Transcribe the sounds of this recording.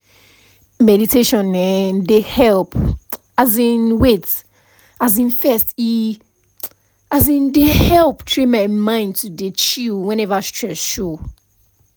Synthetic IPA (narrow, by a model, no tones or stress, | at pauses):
mɛditʰeʃɔ̃nɛdehɛlp | azĩnwet | azĩnfɛsti | azĩndehɛlptʰɹemaɪmãɪ̃ndtʰudet͡ʃilwɛ̃nɛvastʰɹɛsʃo